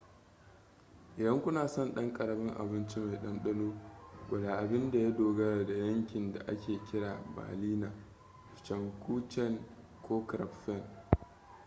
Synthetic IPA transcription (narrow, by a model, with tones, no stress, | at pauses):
ʔɪ˨dɐ˦ŋkʷʊ˦naː˨sɔ˦˨nɗɐ˦ŋkʼɐ˨ɽɐ˨bɪ˦ŋʔa̰˨bɪ˦nt͡ʃi˦ma˨jɗɐ˦nɗɐ˦loː˦ɡʷɐ˨daː˨ʔa˨bɪ˦nda˨ja˦doː˨ɡɐ˦ɽa˨da˨jɐ˦ŋkʲɪ˨nda̰˨ʔa˦kʲʰeː˨kʲɪ˦ɽaː˨ba̰ː˨liː˦naː˨ | t͡ʃɐ˨ŋkʷuː˦t͡ʃɛ˦˨n | kʷʰoː˦kɾɐ̰˨pɸɛ˦˨n